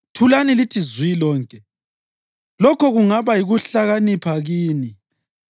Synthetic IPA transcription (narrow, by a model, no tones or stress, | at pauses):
tʰulanilitʰizwilɔːŋkʼɛ | lɔkʰɔɣuŋaβajiɣuɬaɣanipʰaɣiːni